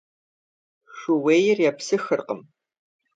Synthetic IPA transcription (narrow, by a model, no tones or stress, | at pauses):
ɕʷʊweːjɪrjaːpsɨxɨrqə̰m